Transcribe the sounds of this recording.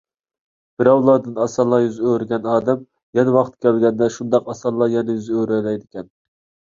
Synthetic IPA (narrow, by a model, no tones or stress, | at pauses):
b̥ɪɾɑwlˠɑːd̪ɨnɑsɑlˠɑjyzøɾɪɡʲɛnɑːd̪ɛm | jɛnɛwɑqʰt̪̚kʲɛlɡʲɛnd̪ɛʃund̪ɑqɑsɑlˠɑjɛnɛjyzøɾɛlɛjd̪ɪkʲʰɛn